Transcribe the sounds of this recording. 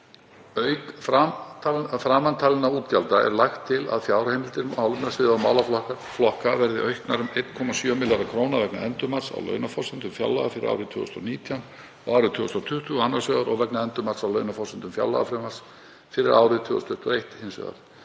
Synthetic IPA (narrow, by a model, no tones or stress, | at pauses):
œɥkfa | fɾaːmant̪ʰaːlɪnauːt̪calt̪aɛ̰ɾlaxt̪ʰːɪla̰ðfjaːwɾahejmɪlt̪ɪɾawlmɛɾsɪðamawlaflɔk | flɔhkavɛɾðɪʔœɥhknaɾʏmejt̪kʰɔmasjœːmɪlːaɾakʰɾownavɛknaɛnt̪ʏmḁsa̰wlœ̰ːɥnafɔsɪnt̪ʏmfja̰wlaɣafɪɾɪ̰ʔa̰wɾɪt̪ʰʏ̰ːʏ̰st̪ɔ̰niːt̪ʰjan | ɔɣaːwɾɪt̪ʰʏːʏst̪ɾɔt̪ʰʏht̪ʏanːasœːɣaɾɔɣvɛknaɛnt̪ʏmaɾ̥sawlœɥnafɔsɪnt̪ʏmfja̰wla̰ɣafɾɛmaɾs | fɪɾɪɾa̰ːwɾɪt̪ʰʏːʏst̪ʰʏht̪ʰʏɔeht̪hensœ̰ɣa̰ɾ